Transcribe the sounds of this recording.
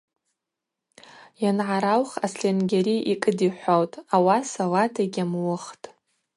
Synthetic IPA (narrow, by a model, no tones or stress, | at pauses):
janʕaɾawχasɬenɡʲeɾiikʼɨdiħʷowtʼawasalatʰaɡʲamwʊχtʼ